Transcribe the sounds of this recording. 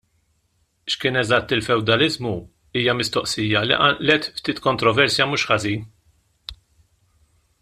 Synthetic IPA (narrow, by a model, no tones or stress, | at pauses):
ʃkɪːnɛzɐt̪ːɪlfɛwd̪ɐlɪzmu | iːjɐmɪst̪ɔʔsiːjɐlḭʔɐʔlɛt̪ft̪iːt̪kɔnt̪ɾɔvɛɾsjɐmuːʃħɐziːn